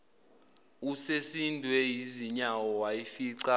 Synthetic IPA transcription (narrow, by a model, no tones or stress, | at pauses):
usesindʱwɛjiziɲawɔwajifiːǀa